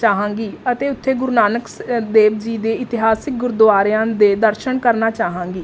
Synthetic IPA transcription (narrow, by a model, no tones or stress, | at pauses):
t͡ʃaːɦãːŋɡiːət̪eːʊt̪ʰːeːɡʊɾunaːnəksd̪eːbd͡ʒiːd̪eːɪt̪ɪɦaːsɪk̚ɡʊɾd̪ʊaːɾjãːd̪eːd̪əɾʃəɳkəɾnaːt͡ʃaːɦãːŋɡiː